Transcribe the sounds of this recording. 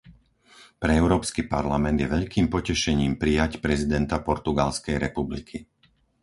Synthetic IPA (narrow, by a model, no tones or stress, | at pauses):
pɾɛɛʊɾɔːpskipaɾlamɛnd̪jɛʋɛʎkiːmpɔcɛʃɛɲiːmpɾijacpɾɛzid̪ɛnt̪apɔɾt̪uɡalskɛjɾɛpublikʰi